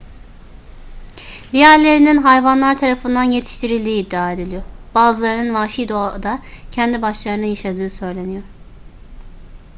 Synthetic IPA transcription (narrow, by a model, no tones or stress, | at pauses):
d̪ijæɾlʲe̞ɾininɦajvanlˠaɾt̪ʰaɾafɯnd̪anje̞t̪ʰi̥ʃt̪ʰiɾilʲd̪iːd̪ːiaːed̪ilʲijoɾb̥aːzɯlˠaɾɯnɯnvaːʃid̪oad̪acʰɛnd̪ibaʃlˠaɾɯnɯjaʃad̪ɯːsø̞jlʲe̞nijo̞ɾ